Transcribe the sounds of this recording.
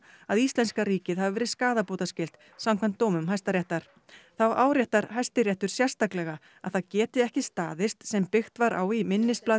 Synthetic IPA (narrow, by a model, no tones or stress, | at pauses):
aðist̪lɛnskaɾiːcɪðhavɪvɛːɾɪðskaːðapoːt̪ascɪlt̪ | samkʰvamnt̪ːoːwmʏmɦajst̪aɾjɛht̪aɾ̥ | θawaːwɾjɛht̪aɾ̥hajst̪ɪɾjɛht̪ʏɾ̥sjɛr̥st̪aklɛɣa | aðθaðcɛːt̪ɪɛhcɪst̪aːðɪst̪sɛmpɪxt̪vaɾʔa̰ːwimɪnːɪst̪̚plaː